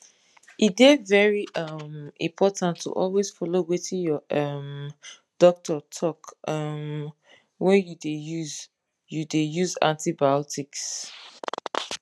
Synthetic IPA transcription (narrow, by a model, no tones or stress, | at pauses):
idedvɛɹiʌmḭ̃mpʰɔtãntʰːṵʔɔlwez̥fɔlowetʰijɔʔʌm | d̥ɔk̚tʰɔtʰɔkʌm | wɛjudejuz | judejuzã̰ntibaɔtʰiks